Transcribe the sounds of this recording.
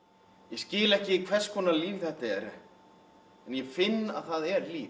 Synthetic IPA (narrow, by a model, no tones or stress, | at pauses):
jɛscɪːlɛhcɪkʰvɛr̥skʰɔːnaliːvθɛht̪aɛɾ | ɛnjɛfɪnːa̰ðθaðɛɾliː